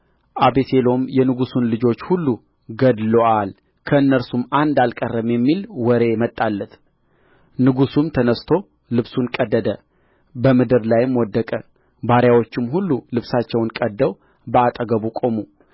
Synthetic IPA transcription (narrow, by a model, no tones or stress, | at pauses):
ʔabeselo̞mjɛnɨɡusunlɨd͡ʒo̞t͡ʃːhulːu | ɡəd̪loʔal | kʰəɨnːəɾsumand̪alkʼərːəmjɛmːilwɔɾe̞mət̪ʼːalːət̪ʰ | nɨɡusumt̪ʰənəst̪ʰo̞ | lɨβsunkʼəd̪ːəd̪ə | bəmɨd̪ɨɾlajmwɔd̪ːəkʼə | baɾjawo̞t͡ʃːɪmɦulːulɨβsat͡ʃːɛwnkʼəd̪ːəw | bəat̪ʼəɡəβukʼo̞mu